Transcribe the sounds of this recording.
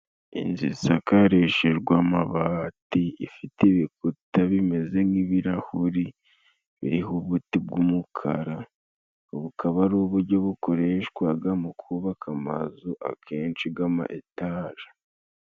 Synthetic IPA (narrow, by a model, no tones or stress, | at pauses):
ḭnzḭsakaɾeʃeɾɡwamaβaːtiifiteiβikutaβime̞ze̞ŋiβiɾahuɾi | βḭɾiɦuβutib̚ɡumukʰa̰ɾa | βukʰaβaɾuːβuɾɟo̞βuko̞ɾe̞ʃkwaɡamukʰuβakʰama̰zuʔa̰kʰe̞ːnt͡ʃiɡama̰ʔetaːʒḁ